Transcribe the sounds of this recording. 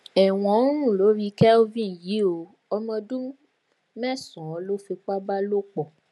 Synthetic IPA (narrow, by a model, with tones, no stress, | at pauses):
ɛ˨w̃ɔ̃˨˦ɾ̃ũ˦˨lo˨˦ɾi˧kɛ˦o˦vĩ˦˨ji˨˦o˧ | ɔ˧mɔ̃˧dũ˦ | mɛ˦˨sɔ̃˨˦lo˦fe˧k͡pa˦ba˦lo˦k͡pɔ˨